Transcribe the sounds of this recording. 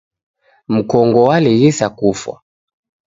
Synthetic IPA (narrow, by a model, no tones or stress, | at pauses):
m̩kɔŋɡɔwalɛjɛsakufwa̰